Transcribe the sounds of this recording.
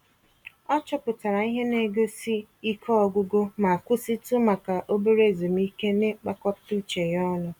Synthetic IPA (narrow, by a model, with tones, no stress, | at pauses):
ɔ˦t͡ʃɔ˦pʊ˨ta˨ɾa˨i˦ɦe˦ne˦ɡo˦si˦i˦kʰɔ˦ɔ˦ɡʷʊ˦ɡo˦ma˨a˨kʷʊ˦si˦tu˦ma˨ka˨ʔo˦be˦ɾe˦˨zo˨m̩˦i˦ke˦ne˦k͡pa˦kɔ˦ptu˦t͡ʃe˨jɔ˦lʊ˦